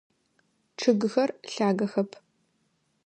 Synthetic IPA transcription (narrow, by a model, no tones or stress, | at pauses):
ʈ͡ʂʰɨɡɨxɐrɬaːɡɐxɐpʰ